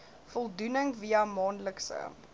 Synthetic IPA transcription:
fɔlˠdunəŋviɐmɑːnləksə̰

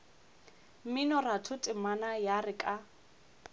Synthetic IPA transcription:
mɪnɔratʰʊtʼɪmanajarɪkʼa

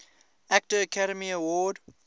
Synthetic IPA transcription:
æk̚təːkʰaɾəmiəwɔːd

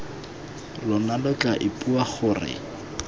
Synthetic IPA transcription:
lʊnalʊkʼaʔɪpʼuaχʊːrɪ̰

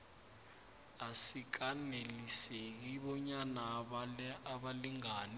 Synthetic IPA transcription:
asik̬anelisek̬iɓɔɲana | aɓaliŋaːni

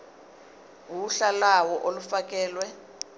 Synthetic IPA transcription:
wuɬalawɔʔolufakɛːlwɛ

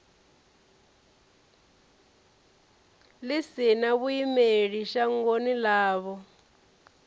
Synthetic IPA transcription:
lisinaβuimeɺiʃaŋɡonilaːβɔ

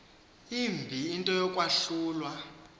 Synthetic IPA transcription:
imbʱiːntʼɔjɔkʼwaɬuːlwa

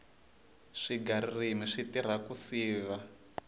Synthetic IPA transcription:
ʂiɡaɾirimiʂitiɾ̤akusiːβa

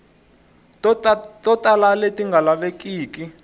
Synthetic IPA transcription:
tɔtʼalaletiŋɡʱalaɓekiːki

